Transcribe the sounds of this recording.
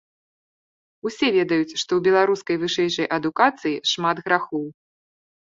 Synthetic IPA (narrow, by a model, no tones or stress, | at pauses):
usʲɛvʲɛd̪ɐjut͡sʲʂt̪ɔwbʲɛlˠaɾuskɐjvɨʂɛjʂɐjʔɐd̪ukat̪sɨjiʂmad̪ɣɾaxɔw